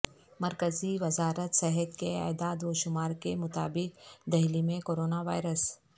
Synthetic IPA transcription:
mɐɾkəziʋɐzaːɾət̪sɛɦət̪kea̰ːd̪aːd̪oːʃʊmaːɾkemʊt̪a̰ːbɪkd̪ɐɦlimẽkoːɾoːnaʋa̰ːɪɾəs

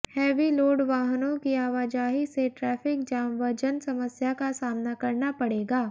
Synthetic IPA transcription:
hɛːʋiloːɖʋaːɦənõkiaːʋaːd͡ʒaːɦiseʈɾɛːfʰɪk̚d͡ʒãːmʋəɾd͡ʒənsɐməsjakasaːmnakɐɾnapɐɽeːɡaː

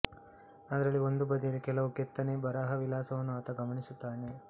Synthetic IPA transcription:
ɐd̪ɐɾɐɭːio̞nd̪ubɐd̪ijɐlikɛlɐʋukɛt̪ːɐnebɐɾaːɦɐʋilaːsɐʋɐnːuɐt̪ɐɡɐmɐɳisut̪ːaːne̞

